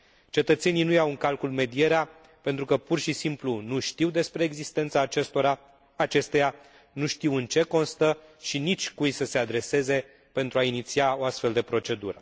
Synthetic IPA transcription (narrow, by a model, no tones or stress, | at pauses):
t͡ʃe̞t̪ət̪se̞ninujawɨŋkalkulme̞d̪ije̞ɾea | pe̞nt̪ɾukəpurʃisimplunuʃt̪iwd̪e̞spɾe̞ːɡzist̪e̞nt̪saːt͡ʃe̞st̪o̞ɾa | at͡ʃe̞st̪ea | nuʃt̪iwɨnt͡ʃe̞ko̞nst̪əʃinit͡ʃʲkujsəse̞ad̪ɾe̞se̞ze̞ | pe̞nt̪ɾuainit̪siao̞ast̪fe̞ld̪e̞pɾo̞t͡ʃe̞d̪ṵɾə